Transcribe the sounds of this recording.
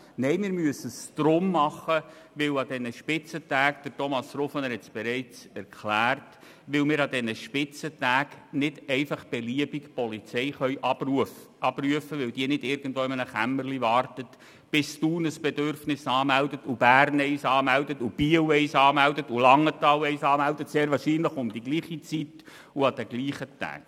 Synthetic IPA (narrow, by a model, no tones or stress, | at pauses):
nɛɪmɪːɾmyəsːəst̪ɾʊmːɑχə | ʋɪwɑd̪ɛnəʃpɪt͡sətæːkd̪̥əɾtɔmɑsrofənəɾhɛtt͡sb̥ɛɾɛɪt͡sɛɾkʰχlæːrt | ʋɪwmɪːɾɑd̪ɛnəʃpɪt͡sətæːknɪd̥ɛɪfɑχb̥ɛliəbikpɔlit͡sɛɪχœʏʔɑb̥ruəfʔɑbryəfəʋɪwd̥̪iənɪdɪɾɡ̥ən̩dtʋoːɪmənəχæmːərlivɑːrtət | b̥ɪstuːnəsb̥ɛdøɾfnɪsɑːmældətub̥æːrnɛɪsɑːmældətub̥iːəwɛɪsɑːmældətulɑŋːətɑːwɛɪsɑːmældətseːɾvʋɑːʃiːnləχʊmd̥̪iɡliːχit͡sit | uɑd̥̪ɛɡliːχətæ̰ːk